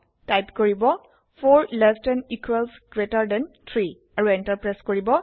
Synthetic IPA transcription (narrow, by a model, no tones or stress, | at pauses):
tajpkoɹibɔ | pʰoɹlɛstɛnikʰwɛlsɡ̥ɹetaɹdɛnt̪ʰɹi | aɹuɛntaɹpɹɛskoɹibɔ